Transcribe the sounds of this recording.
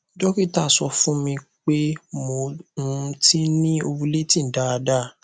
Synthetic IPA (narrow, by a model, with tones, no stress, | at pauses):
d͡ʒɔ˦ki˦˨ta˦˨sɔ˧fũ˦mĩ˧k͡pe˦mo˧ũ˦˨˧ti˦nĩ˦o˧bũ˧le˦tĩ˦˨n̩˨da˦a˧da˦˨